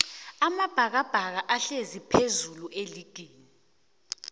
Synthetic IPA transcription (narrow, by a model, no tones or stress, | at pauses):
amab̥ʱak̬ab̥ʱak̬aʔaɬezipʰezulueliɡ̥ʱiːni